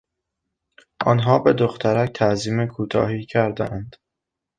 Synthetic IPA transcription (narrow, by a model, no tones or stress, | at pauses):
ʔɒ̰ːnɦɒːbe̞d̪oxt̪ʰæɾæk̚t̪ʰæziːmekʰuːt̪ʰɒ̰ːɦiːcʰæɾd̪æ̰ʔænd̪̥